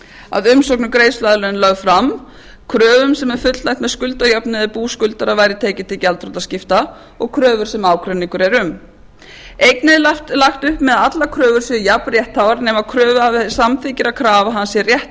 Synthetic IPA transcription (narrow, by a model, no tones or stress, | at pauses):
a̰ðʏmsɔwknʏkɾeːjslajðlœʏnlœɣfɾam | kʰɾœːvʏmsɛmɛɾ̥fʏt̪llajçt̪mɛðskʏlt̪ajapnɪðɪpuːskʏlt̪aɾaðvaːjɾɪt̪ʰeːjcɪt̪ʰɪlcalt̪ɾɔt̪ascɪft̪a | ɔɣkʰɾœːvʏɾ̥sɛmaːwkʰɾɛnːiŋkʏɾɛɾʏm | ejknɪlaft̪laxt̪ʏhpmɛðat̪lakʰɾœːvʏɾ̥sijaprjɛht̪haːwvaɾnɛːmaðkʰɾœːvʏavsamθicɪɾakʰɾaːvaɦansjɛrjɛht̪